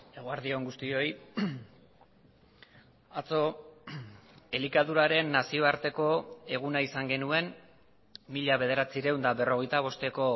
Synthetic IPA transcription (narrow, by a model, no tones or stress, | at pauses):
e̞ɣoaɾðio̞ŋɡust̪io̞j | at͡so̞ | e̞likaðuɾaɾe̞nːasio̞aɾt̪e̞ko̞e̞ɣ̞unaisaŋɡe̞nue̞n | miʎaβe̞ð̞e̞ɾat͡siɾe̞wnd̪aβe̞ro̞ɣ̞e̞jt̪aβ̞o̞st̪e̞ko̞